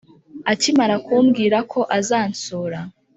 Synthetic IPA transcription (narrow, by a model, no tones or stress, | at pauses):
acimaɾakuːmɡiːɾakʰo̞ʔazaːnt͡soːɾa